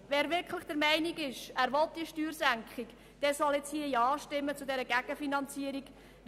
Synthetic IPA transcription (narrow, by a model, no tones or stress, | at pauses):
ʋɛːɾʋɪɾkχləχd̥əɾmɛɪniɡɪʃæːɾʋɔlt̚d̥iəʃtyːɾsæŋkχɪk | d̥ɛsɔlɛt͡shiəjɑːʃtɪmːət͡sʊdɛɾəɡæɡ̥əfinɑnt͡siəɾiɡ